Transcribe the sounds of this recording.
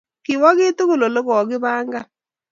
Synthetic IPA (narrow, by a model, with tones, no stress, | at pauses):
kɪ˨wɔ˦kɪ˦tu˦ɣʊ˨lo˨lo˦kɔ˨kɪ˦baː˦ŋɡa˦